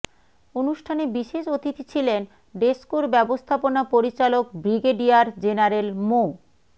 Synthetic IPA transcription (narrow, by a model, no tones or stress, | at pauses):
onuʃʈʰanebiʃeʃot̪it̪it͡ɕʰilen | ɖeskuɾbɛbost̪ʰaponapoɾit͡ɕalok̚bɾiɡeɖiaɾd͡ʑenaɾelmo